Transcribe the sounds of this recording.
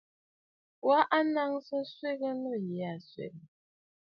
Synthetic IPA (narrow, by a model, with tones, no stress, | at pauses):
wa˦ʔa˦na˦ŋsə˦n̩˦swe˦ɣə˦nɔ˦˨jɛ˨˦a˨swḛ˨k